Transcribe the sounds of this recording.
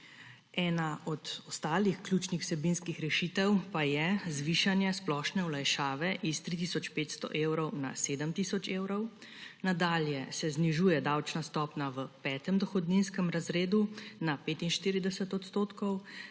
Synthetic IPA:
ɛːnaɔd̪ɔst̪aːlixklʲjut͡ʃnixw̥sɛbinskixɾɛʃit̪ɛwpajɛzʋiːʃanjɛsplɔʃnɛwlajʃaːʋɛʔist̪ɾit̪̬isɔt͡ʃpeːt̪st̪ɔ̰ʔeːwɾɔwna̰seːd̪əmt̪isɔt͡ʃeːwɾɔw | nad̪aːljɛsɛzniʒuːjɛd̪awt͡ʃnast̪ɔːpnaʋəpɛːt̪ɛmd̪ɔxɔd̪ninskəmɾazɾeːd̪unapeːt̪inʃt̪iɾid̪ɛsət̪ɔt̪st̪oːt̪kɔw

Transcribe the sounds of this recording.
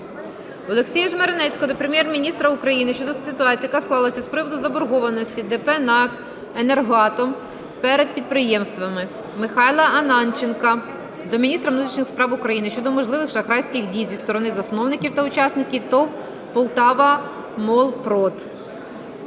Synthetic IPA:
ɔlˠeksʲijɛʒmeɾenɛt͡sʲkɔd̪ɔpɾemʲjɛrmʲinʲist̪ɾɐukɾɐjinɪʃt͡ʃɔd̪ɔsɪt̪ʊɑt͡sʲijɐkɐsklˠɑlˠɐsʲɐspɾɪʋɔd̪ʊzɐbɔɾɦɔʋɐnɔsʲtʲid̪ɛpɛnɑk | enerɦɑt̪ɔm | pɛɾed̪̚pʲid̪̚pɾɪjɛmst̪ʋɐmɪ | mɪxɑjlˠɐɐnɑnt͡ʃenkɐ | d̪ɔmʲinʲist̪ɾɐmnut̪ɾʲiʃʲnɪxspɾɑwʊkɾɐjinɪʃt͡ʃɔd̪ɔmɔʒlˠɪʋɪxʃɐxɾɑjsʲkʲɪxdʲijzʲist̪ɔɾɔnɪzɐsnɔwnɪkʲiwt̪ɐʊt͡ʃɑsnɪkʲit̪ɔw | pɔlˠt̪ɑʋɐ | mɔlˠpɾɔt̪

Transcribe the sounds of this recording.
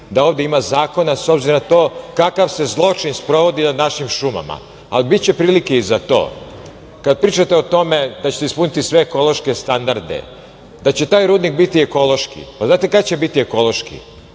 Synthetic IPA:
d̪ao̞ːʋd̪eimazaːko̞naso̞bziɾonat̪o̞ːkakaʋse̞zlˠo̞t͡ʃinspɾoʋo̞d̪inad̪naʃimʃuma̰ma̰ | alibit̪̚t͡ɕepɾiːlikeizat̪o̞̰ː | kad̪̚pɾiːt͡ʃat̪e̞o̞t̪o̞med̪at͡ɕet̪eispunit̪isʋe̞ːko̞lo̞ʃkest̪and̪aɾd̪ḛ | d̪at͡ɕe̞t̪aːjɾuːd̪nik̚bit̪ieko̞lo̞ʃkḭpaznaːt̪e̞kakt͡ɕe̞bit̪ieko̞lˠo̞ʃkḭ

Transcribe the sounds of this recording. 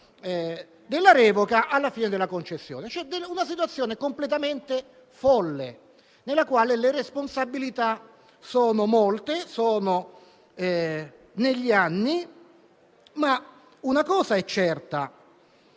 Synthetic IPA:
ɛ | d̪elːaɾɛːvokaʔalːafiːned̪elːakont͡ʃesːjo̰ːnet͡ʃɛd̪eunasit̪̬wat̪sːjoːnekomplet̪̬ament̪e | fɔlːḛ | nelːakwaːleleresponsabːilit̪a | soːnomolt̪esoːno | ɛ | neʎːianːi | ma | unakɔːzaɛt͡ʃːɛrt̪a

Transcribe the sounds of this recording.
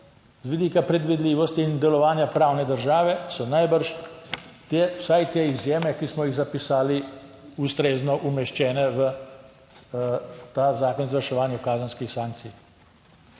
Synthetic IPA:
zʋid̪iːkapɾɛd̪ʋid̪liːʋɔst̪iːnd̪ɛlɔʋaːnjapɾaːwnɛd̪əɾʒaːʋɛsɔnajbəɾʃ | t̪ewsajt̪eːizjeːmɛkismɔjiɣzapisaːliust̪ɾeːznɔʔumɛʃt͡ʃɛːnɛʋə | t̪azaːkɔnzʋɐɾʃɛʋaːnjukaːzənskixsaːŋk̚t̪sij

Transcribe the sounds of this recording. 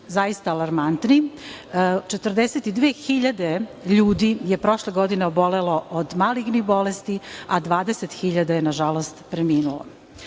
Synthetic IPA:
zajist̪aːlˠaɾmant̪ni | t͡ʃet̪r̩d̪eset̪id̪ʋeːxiʎad̪eʎuːd̪ije̞pɾo̞ʃleɡo̞d̪ineobo̞leloʔod̪maliɡnixbolest̪iad̪ʋaːd̪eset̪xiʎad̪ajenaʒalost̪pɾemiːnulo̰

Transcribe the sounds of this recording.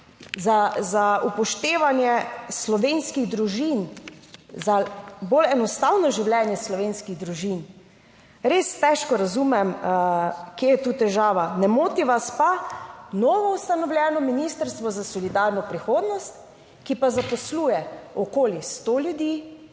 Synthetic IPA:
zazaʔupɔʃt̪eːʋanjɛslɔʋeːnskiɣd̪ɾuʒin | zabolɛnɔst̪awnɔʒiwljɛːnjɛslɔʋeːnskiɣd̪ɾuʒin | ɾeːst̪ɛʃkɔɾazumɛm | kejɛt̪uːt̪ɛʒaːʋanɛmoːt̪iʋaspanɔːʋɔust̪anɔwlʲjɛːnɔminist̪əɾst̪ʋɔzasɔlid̪aːɾnɔpɾixoːd̪nɔst̪ | kipazapɔsluːjɛɔkoːlist̪oljud̪iː

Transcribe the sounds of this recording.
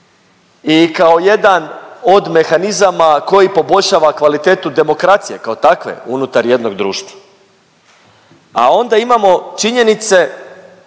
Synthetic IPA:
ikao̞je̞d̪ano̞d̪me̞xanizamako̞jipo̞bo̞ʎʲʃaːʋakʋalit̪eːt̪ud̪e̞mo̞kɾat̪sije̞kaot̪akʋḛunut̪aɾje̞d̪no̞ɡd̪ɾuːʃt̪vḁ | a̰o̞nd̪aimamo̞t͡ʃiɲe̞nit̪se̞

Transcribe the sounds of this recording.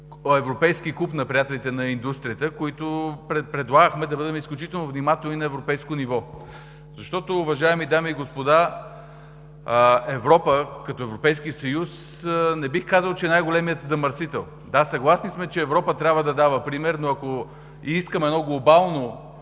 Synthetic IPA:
ɛvɾopɛjskikˠupnɐpɾʲijat̪ɛlit̪ɛnɐind̪ust̪ɾʲijət̪əkoit̪opɾɛpɾɛd̪lˠaɡəxmɛd̪ɐbɤd̪ɛmɛisklʲut͡ʃit̪ɛlˠnoʊvnimat̪ɛlˠnʲinɐɛvɾopɛjskonivɔ | zɐʃt̪ɔt̪oːvɐʒaɛmid̪amiːɡospod̪a | ɛvɾɔpəkɐt̪ɔɛvɾopɛjskisɐjus | nɛbixkazəlˠt͡ʃɛnajɡolɛmijət̪zɐməɾsit̪ɛlˠ | d̪asɐɡlˠasnismɛt͡ʃɛːvɾɔpət̪ɾʲabvəd̪ɐd̪avəpɾimɛɾnoɐko | iiskəmɛnɔɡlˠobalˠno

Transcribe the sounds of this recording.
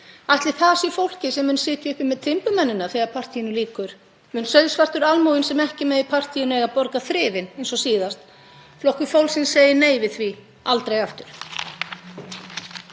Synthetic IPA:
aht̪lɪθasifowl̥cɪsɛmʏnsɪːt̪jaʏhpɪmɛðt̪ʰɪmplʏmɛnːɪnːaθɛːɣaɾpʰar̥t̪ʰijɪnʏliːkʏɾ̥ | mʏnsœɥðsvar̥t̪ʏɾalmuɪnsɛmɛhcɪmɛðipʰar̥t̪ʰijʏnʏeɣapɔɾkaθɾɪːvɪnejnsɔsiːðast̪ | flɔhkʏfowlsɪnseːjɪneːjvɪðθvi | alt̪ɾejaft̪ʏɾ̥

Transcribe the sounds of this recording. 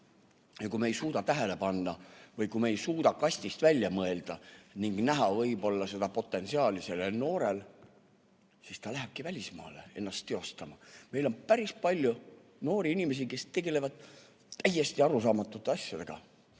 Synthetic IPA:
jɑkume̞jsuːt̪ɑt̪æɦele̞pɑnːɑvɤjkumeejsuːt̪ɑkɑsʲt̪ist̪vælʲjɑmɤe̞ld̪̥ɑniŋɡ̥næɦɑvɤjbo̞lːɑse̞d̪̥ɑpo̞t̪ːˑe̞nsiɑːlise̞leno̞ːɾe̞l | sist̪ɑlæɦeb̥̚kivælʲismɑ̰ːle̞̰e̞̰nːɑst̪ːe̞o̞st̪ɑmɑme̞jlo̞mpæɾispɑlʲju | no̞ːɾiinʲime̞s̬ike̞st̪e̞ɡe̞le̞vɑd̪̥ | t̪ːæjːe̞st̪iɑɾusɑːmɑt̪ːˑut̪ːˑeɑsʲjɑd̪̥e̞ɡ̥ɑ̰

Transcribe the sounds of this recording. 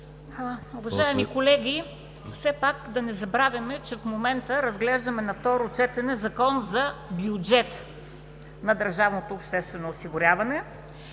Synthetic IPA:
ʊvɐʒaɛmikolɛɡʲi | fsɛpakd̪ɐnɛzɐbɾavʲjɐmɛt͡ʃɛfmomɛnt̪əɾɐzɡlɛʒd̪ɐmɛnɐft̪ɔɾot͡ʃɛt̪ɛnɛzɐkɔnzɐbjʊd͡ʒɛt̪ | nɐd̪ɐɾʒavnot̪oːpʃt̪ɛst̪vɛnoːsiɡʊɾʲjavɐnɛ

